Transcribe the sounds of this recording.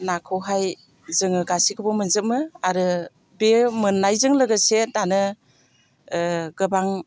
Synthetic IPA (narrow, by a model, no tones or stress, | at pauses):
nakʰɯwɦaj | zɯŋɯɡasikʰɯbɔmɯnzɯmɯaɾɯ | bemɯnːajzɯŋlɯɡɯsedanɯ | ɡɯbaŋ